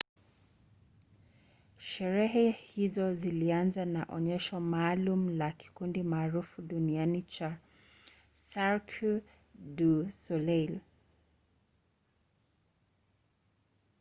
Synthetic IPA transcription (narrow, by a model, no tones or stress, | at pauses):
ʃɛɾɛɦɛhizɔzilianzanaʔɔ̰ɲɛʃɔmaːlum̩laki̥kundimaːɾufuɗunianit͡ʃa | saɾkʰu | ɗusɔlɛl